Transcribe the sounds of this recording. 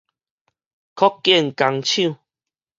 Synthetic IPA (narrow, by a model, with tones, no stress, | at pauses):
kʰɔ˦kːjɛ˥˦˨nka˨˧ŋt͡ɕʰjũ˥˨